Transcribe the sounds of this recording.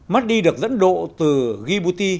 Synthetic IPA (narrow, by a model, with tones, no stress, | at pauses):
ma˦˥t̚ɗi˧ɗɨ˨˩ək̚zə̰˧˥nɗo̰˧˨t̪ɨ˨˩ɣi˧ɓu˧t̪i˧